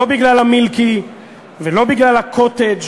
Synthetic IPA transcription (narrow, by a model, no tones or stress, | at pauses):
obiɡlalamilki | velo̞biɡlalhakʰot̪ed͡ʒ